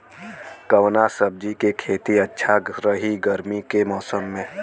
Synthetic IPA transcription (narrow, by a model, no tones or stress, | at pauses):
kəwnasəb̚d͡ʒikekʰeːt̪iətːʃʰaɾəɦiɡəɾmikemɔːsəmːẽː